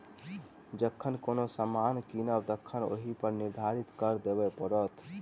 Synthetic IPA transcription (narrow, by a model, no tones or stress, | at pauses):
d͡ʒəkʰːənkonosəmankinəbt̪əkʰːəno̰ɦipəɾniɾd̪ʱaɾit̪kəɾd̪ebɛpəɾət̪